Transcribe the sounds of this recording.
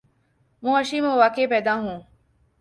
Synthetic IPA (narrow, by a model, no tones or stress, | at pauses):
mũːəʃiːmẽːʋaːkeːpɛːd̪aːɦũː